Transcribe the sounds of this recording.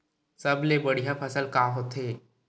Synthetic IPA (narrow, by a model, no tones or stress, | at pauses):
səblebəɽijapʰəsəlkaːɦoːt̪eː